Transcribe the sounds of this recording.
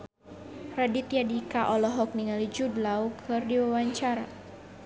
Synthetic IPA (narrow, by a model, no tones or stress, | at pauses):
radit̪ijadikaʔɔlɔɦɔk̚niŋalid͡ʒudlawkʰɨrdiwawaɲt͡ʃaɾa̰